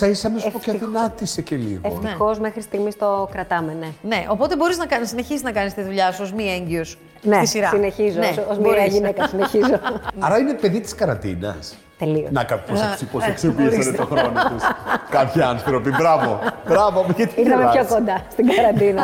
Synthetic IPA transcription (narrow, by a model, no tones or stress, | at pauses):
sɐisɐmesokɐinɐt̪isecelḭɣeoft̪eozmexɾisst̪iɣmist̪o̞kɾɐt̪ɐmene̞ne̞ʔo̞pot̪e̞bo̞ɾiznɐkɐnsine̞çiziznɐkɐnist̪iðuʎɐsuozmieɲɟios | netisiɾɐsineçizoneozmiɐʝinekɐsineçizoɐɾɐinepe̞ðit̪i̥skɐɾɐnd̪ḭnɐ̰s | t̪elionɐkɐipossiposeksevisɐnet̪oxɾonot̪uskɐpçiɐnθɾo̞pibɾɐvobɾɐvopeðit̪iixɐmeçokond̪ɐst̪iɡɐɾɐnd̪inɐ